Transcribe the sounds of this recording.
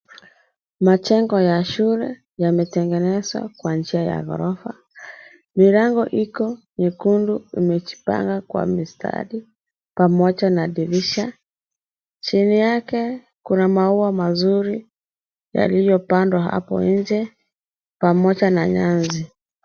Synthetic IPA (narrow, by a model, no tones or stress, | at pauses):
mat͡ʃɛŋɡɔjaʃulɛ | jamɛtɛŋɡɛnɛzwa̰kwand͡ʒiaja̰ɣɔ̰ɾɔfa | milaŋɡɔʔikɔnikunduimɛt͡ʃi̥pa̰ŋɡakwa̰mistʰa̰ɗi | pamɔʄanaɗiɾiʃa | t͡ʃinijakɛ | kunamauamazuɾi | ja̰lijɔpandwaɦa̰pɔ̰ɲ̩d͡ʒɛ | pamɔʄanaɲanzi